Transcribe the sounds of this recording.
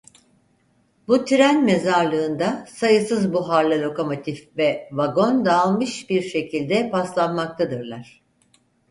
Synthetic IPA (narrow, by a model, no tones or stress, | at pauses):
but̪ʰiɾænme̞zaɾlˠɯːnd̪asajɯsɯzbuɦaɾlˠalʲo̞ko̞mo̞t̪ʰifvɛvaɡo̞nd̪alˠmɯʃbiɾʃe̞cʰilʲd̪ɛpʰaslˠanmak̚t̪ʰad̪ɯɾlˠaɾ̝̥